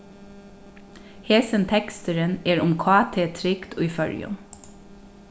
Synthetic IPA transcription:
heːsənt̪ʰɛkst̪əɾəneːɹʊmkʰɑːt̪ʰeːt̪ʰɾɪkt̪ʰʉːfœɹjʉ̰m

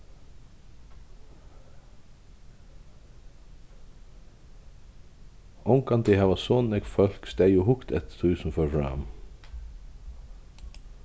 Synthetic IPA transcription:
ɔŋkɑnd̪ehɑːʋɑsoːnɛɡfœlksd̪æːjuːhʊkt̪ɛ̰t̪t̪ʰʉːsn̩fɔɹfɹɑ̰m

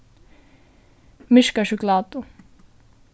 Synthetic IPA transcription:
mɪʃkaʃuklaːt̪ʊ

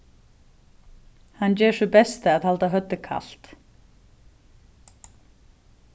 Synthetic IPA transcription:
hanːt͡ɕɛːʂʏpɛst̪ɪaðhalt̪aɦœt̪ːɪkʰa̰l̥t̪

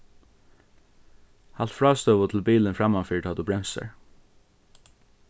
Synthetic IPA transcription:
hɑlt̪fɽɑːst̪œːʋʊt̪ʰl̩biːlənfɹɑmɑnfiːʈʰɑːd̪ʉːbɹɛmsə̰ɹ

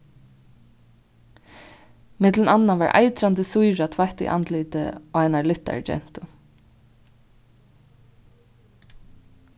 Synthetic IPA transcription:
mɪt̪lɪnanːaʋa̰ɹʔa̰jt̪ɾant̪əsujɹat̪ʰvajht̪ɪ̰ʔa̰nt̪liːt̪ə̰ɔajnalɪht̪ːa̰ɹd͡ʒɛ̰n̥t̪ʊ

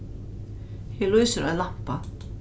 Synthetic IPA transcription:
hɛluːjsʏɾʔaðlam̥pa

